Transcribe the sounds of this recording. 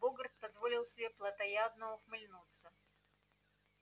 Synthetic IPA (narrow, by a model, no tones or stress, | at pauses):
boɡɾət̪̚pɐzvolʲɪlˠsʲɪbʲeplˠɐt̪ɐjaznɐoxmɨlʲnut̪sə